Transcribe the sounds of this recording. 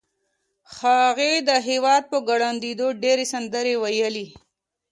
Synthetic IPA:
xɑɣed̪əɦewɑd̪̚pəɡaɽand̪id̪oɖeɾesand̪əɾewajəli

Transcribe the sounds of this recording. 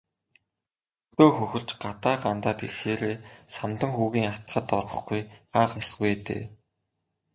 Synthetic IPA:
ɵt̪oːxɵxɵ̆ɮ̥t͡ɕɢat̪aːɢant̪aːt̪erxeːɾeːsamt̪ə̆ŋxuːɣiːŋat̪ɮə̆t̪ɔrʁɞ̆χɡujɢ̥aːχarə̆χweːt̪ḛː

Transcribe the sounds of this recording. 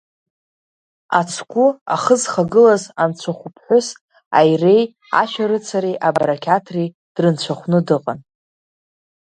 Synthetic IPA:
a̰t͡sʷʰkʷʼʊa̰χəzχaɡɨlazant͡ʃʷʰaχʷʊpʰħʷʊs | a̰jre̞j | a̰ʃaɾɨt͡sʰaɾijʔabaɾakʲʰatʰri | d̥rɨnt͡ɕʷʰaχʷnɨdɨqʼan

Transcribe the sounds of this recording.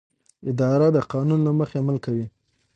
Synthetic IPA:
ɪd̪ɑɾad̪əqɑnunlaməxeamalkawi

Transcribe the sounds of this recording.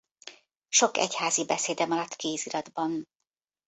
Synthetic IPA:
ʃo̞kɛ̰chaːzibɛseːd̪ɛmɒɾɒt̪ːkeːziɾɒd̪bɒn

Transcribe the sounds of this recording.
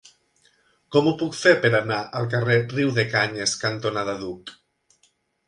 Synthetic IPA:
kɔmupukfeɾpeɾanaʔalˠk̬areriwðekaɲeskant̪onaðaðuk

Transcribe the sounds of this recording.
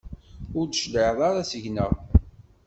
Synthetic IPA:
ʊɾd̪ʃləʕðˤɑɾasəʝnəʁ

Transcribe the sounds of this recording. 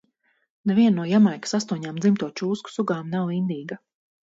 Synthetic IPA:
nɛvʲiɛnːuɔjamajkḁsast̪uɔɲaːmd̪zimt̪uɔt͡ʃuːsku̥suɡaːmnawind̪iːɡa

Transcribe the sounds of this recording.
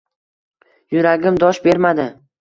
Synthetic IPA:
jʊɾaɡʲɪmd̪ɒʃbe̞ɾmad̪ɪ

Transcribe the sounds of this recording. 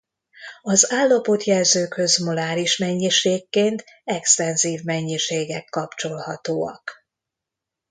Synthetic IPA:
ɒzaːlːɒpo̞t̪jɛlzøːkhø̞zmolaːɾiʃmɛɲːiʃeːkːeːnt̪ɛkst̪ɛnziːvmɛɲːiʃeːɡɛkːɒpt͡ʃo̞lhɒt̪oːɒ̰k

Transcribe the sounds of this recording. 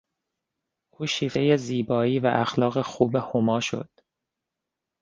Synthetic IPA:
ʔuːʃiːfe̞jeziːbɒːiːvæ̰ʔæxlɒːɣexuːbehomɒːʃo̞̰d̪̥

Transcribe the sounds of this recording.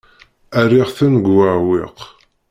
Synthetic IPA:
æriʁθænɡːaʕwɪ̰q

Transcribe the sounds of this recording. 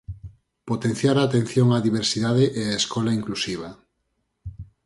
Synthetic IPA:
pot̪en̟θjaɾaːt̪ẽn̟θjoŋaðiβ̞eɾsiðaðeʔeaeskɔlaiŋklusiβ̞a

